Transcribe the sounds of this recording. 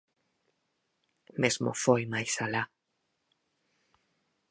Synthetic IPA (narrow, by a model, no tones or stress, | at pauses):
mesmo̰fojmajsala